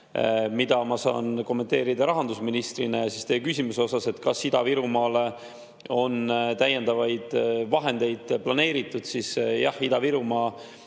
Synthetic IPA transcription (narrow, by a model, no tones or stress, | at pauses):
mid̪̥ɑmɑsɑ̰ːnko̞mːet̪e̞ːɾid̪̥ɑɾɑɦɑnd̪usminist̪rinejɑsist̪eːkysʲimuseo̞sɑse̞t̪ːˑkɑsːid̪̥ɑviɾumɑːle | o̞nt̪æjːe̞nd̪̥ɑvɑjd̪̥vɑɦe̞nd̪e̞jd̪̥plɑne̞ːɾit̪ːˑud̪̥sisjɑ̰hid̪̥ɑviɾumɑː